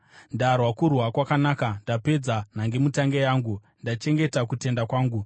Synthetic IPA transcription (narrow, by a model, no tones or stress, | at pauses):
ndarwakurwakwakanaːkandape̞d͡zan̤aŋɡe̞mutaŋɡejaːŋɡu | ndat͡ʃe̞ŋɡe̞takute̞ndakwaːŋɡu